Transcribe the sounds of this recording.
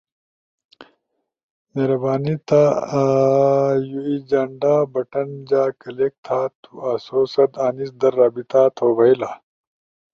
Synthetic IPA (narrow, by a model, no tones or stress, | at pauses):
meːɾɐbaːnit̪aː | juid͡ʑɐɳɖaːbɐʈɐnd͡ʑaːkɐleːk̚t̪ʰaːt̪ʰuaːsoːsɐd̪aːnisd̪ɐɾːaːbit̪aːt̪ʰoːbɐilaː